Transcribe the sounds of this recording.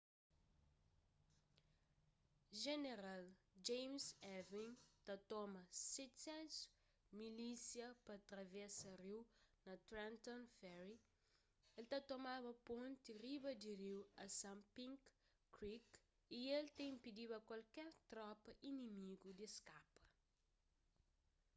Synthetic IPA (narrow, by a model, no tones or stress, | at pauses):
ʒeneɾal | d͡ʒẽjmsɛvĩŋt̪at̪ɔmɐsɛt̪sɛ̃ns | milisjɐpɐt̪ɾɐvɛsɐriwnɐt̪ɾɛ̃nt̪õnfɛɾi | elt̪at̪omaβɐpõnt̪iribɐd̪iɾiwɐsãmpĩŋkː | ɾik | ielt̪ẽĩmpid̪iβɐkwalkɛɾt̪ɾɔpɐʔinimiɡud̪eskapɐ̥